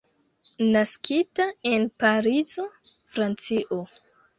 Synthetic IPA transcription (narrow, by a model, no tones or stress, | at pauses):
naskitaenpaɾizo̞fɾant͡siʔo